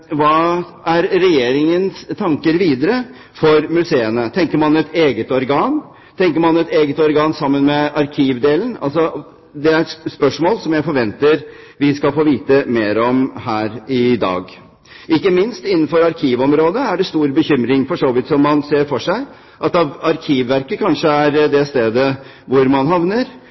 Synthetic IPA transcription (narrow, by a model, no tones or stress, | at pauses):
ʋɑː | æɾːɛjeːɾɪŋənst̪ʰɑŋkəɾʋiːd̪əɾə | fɔɾmʉseːənət̪ʰɛŋkəɾmɑnɛt̪eːɡət̪ɔɾɡɑːn | t̪ʰɛŋkəɾmɑnɛt̪eːɡət̪ɔɾɡɑːnsɑmːənmɛʔɑɾkʰiːʋd̪eːlənɑ̰lsɔ | d̪ɛæɾɛt̪spœʂmoːlsɔmjæɪfɔɾʋɛnt̪əɾʋɪskɑlfoːʋiːt̪əmeːɾɔmhæːɾɪd̪ɑ̰ːɡ | ʔɪkːəmɪnst̪ɪnːən̩fɔɾɑɾkʰiːʋɔmɾoːd̪əæɖɛst̪uːɾbəçʏmɾɪŋfɔʂoːʋɪt̪sɔmːɑnseːɾfɔʂæɪ | ʔɑt̪ɑʋɑɾkʰiːʋːæɾkəkʰɑnʂəæɾd̪ɛst̪eːd̪ə | ʋʊɾmɑnɦɑʋnəɾ